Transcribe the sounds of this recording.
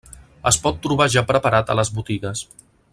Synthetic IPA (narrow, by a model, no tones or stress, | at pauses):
əspɔt̪ːɾuβ̞aʒapɾəpaɾat̪ələzβut̪iɣəs